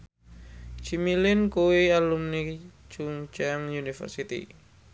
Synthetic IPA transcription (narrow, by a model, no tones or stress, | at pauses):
t͡ʃimilɪnkuwialumni | t͡ʃuŋt͡ʃaŋjunifə̰rsit̪ḭ